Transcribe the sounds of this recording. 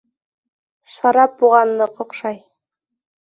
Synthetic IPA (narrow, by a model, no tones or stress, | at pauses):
ʃɑɾɑp̚buʁɑnd̪ɤqŏqʃɑj